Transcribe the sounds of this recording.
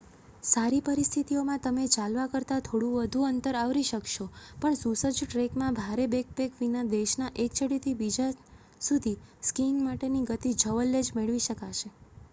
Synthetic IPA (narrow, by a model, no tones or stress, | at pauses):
saɾipəɾist̪ʰit̪iomãt̪əmet͡ʃalʋakəɾt̪at̪ʰoɽũʋəd̪ʱũənt̪əɾaʋɾiʃəkʃopəɳsusəd͡ʒʈɾekmãbʱaɾebek̚bekʋinad̪eʃnaʔekt͡ʃəɽit̪ʰibid͡ʒa | sud̪ʱiskiŋmaʈeniɡət̪id͡ʒʱəʋəlːed͡ʒmeɭʋiʃəkaʃe